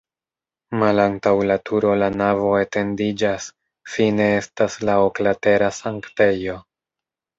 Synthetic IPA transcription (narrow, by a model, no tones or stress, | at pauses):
malantawlatʰuɾo̞lanavo̞e̞te̞ndid͡ʒas | fine̞e̞staslaoklate̞ɾasaŋkte̞jo̞